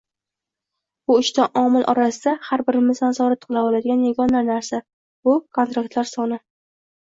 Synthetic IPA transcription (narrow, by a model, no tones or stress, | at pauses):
bʊɪʃt̪aʔɒmɪlʔɒ̰ɾasɪd̪ahaɾbɪɾmɪsansɒɾat̪qʰɨlˠabɒlad̪ɪɡʲanjaɡɒnanaɾsa | bʊkʰo̞nt̪ɾak̚t̪laɾsɒnɪ